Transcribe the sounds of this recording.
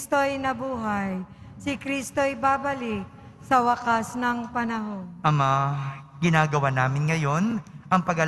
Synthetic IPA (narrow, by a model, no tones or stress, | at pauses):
st̪oɐjnɐbuːɦɐjsɪkɾist̪o̞jbaːbɐlɪk̚ | sɐwɐkasnɐŋpɐnɐɦonʔɐmaɡɪnaːɡɐwanaːmɪnŋɐjo̞nʔɐŋpɐɡɐ